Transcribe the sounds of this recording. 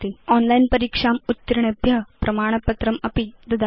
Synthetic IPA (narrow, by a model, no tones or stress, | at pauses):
t̪iɔnlainpɐɾikʂamut̪ːiɾiɳɐbʱjɐpɾɐmaːɽ̃ɐpɐt̪ɾɐmɐpid̪ɐd̪a